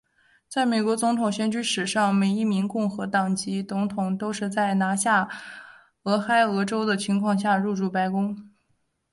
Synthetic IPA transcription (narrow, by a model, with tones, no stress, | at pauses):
t͡sa˥˩ɪme˨˩kwɔ˧˥t͡sʊ˧˥ŋt̪ʰʊ˨˩ŋɕɥɛ˥nt͡ɕy˥ʂɻ̩˨˩ʂɑ˥˩ŋme˨˩ɪi˥˩mi˧˥ŋkʊ˥˩ŋxɤ˧˥t̪ɑ˨˩ŋt͡ɕi˧˥t͡sʊ˧˥ŋt̪ʰʊ˨˩ŋt̪o˥ʊʂɻ̩˥˧t͡sa˥˩ɪna˧˥ɕja˥˩ | ɤ˧˥xa˥ɪɤ˧˥ʈ͡ʂo˥ʊd̪ə˨t͡ɕʰi˧˥ŋkʰwɑ˥˧ŋɕ̬ja˥˧ɻu˥˧ʈ͡ʂu˥˩pa˧˥ɪkʊ˥ŋ